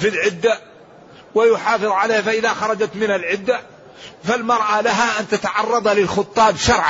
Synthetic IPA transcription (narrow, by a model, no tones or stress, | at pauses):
filʕɪd̪ːa | wɪjʊħɑːfɨðˤʕaleːhafaʔɪðaxɑɾˤɑd͡ʒat̪mɪnalʕɪd̪ːa | falmɑɾˤʔalaɦaʔant̪at̪aʕɑrˤːɑd̪ˤɑlɪlxʊt̪ˤːɑːbʃɑɾˤʕ